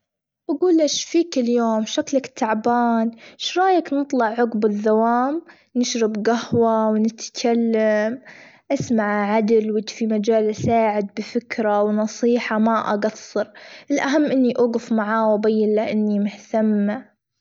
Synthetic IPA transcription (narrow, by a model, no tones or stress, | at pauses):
ʔaɡuːlːaʃfiːkɪljoːmʃaklakt̪ʰːaʕbaːnʃɾˤɑːjaknɨt̪ˤlɑʕːʊɡbɪðːawaːm | nɪʃɾɪbɡahwawnɪt̪kʰalːamʔasmaʕʕad̪ɪlwɪt̪fimad͡ʒaːlʔasaːʕɪd̪̚bɪfɪkɾawnɑsˤiːħamaʔa̰ɡɑsˤːɨɾʔɪlʔaɦamːʔɪnːiʔʊːɣʊfmaʕaːwbajːɪlːaʔɪnːimʊht̪amːa